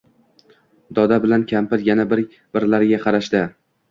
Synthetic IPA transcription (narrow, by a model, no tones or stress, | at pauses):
d̪ɒd̪abɪlankʲʰampɪɾjanabɪɾ | b̥ɪɾlaɾɪɡʲaqʰɑɾaʃd̪ɪ